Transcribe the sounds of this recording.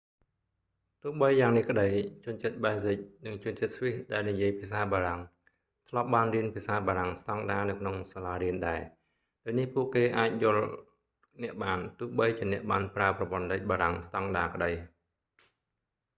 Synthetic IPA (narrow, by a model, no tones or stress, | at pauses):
t̪ʊ̆əhɓəjːaːŋnihkə̆ɗəjt͡ɕʊ̆ənt͡ɕət̪̚ɓaɛsic̚nɨŋt͡ɕʊ̆ənt͡ɕət̪̚sʋihɗaɛlnijiəjpʰiəsaːɓaːɾaŋ | t̪ʰlŏəp̚ɓaːnriənpʰiəsaːɓaːɾaŋst̪ɑŋɗaːnɨwkʰnoŋsaːlaːriənɗaɛ | ɗoːjnihpuəʔkeːʔaːc̚jʊ̆əl | nɛ̆əʔɓaːnt̪ʊ̆əhɓəjt͡ɕiənɛ̆əʔɓaːnpraəprɑpŏənləc̚ɓaːɾaŋst̪ɑŋɗaːkə̆ɗəj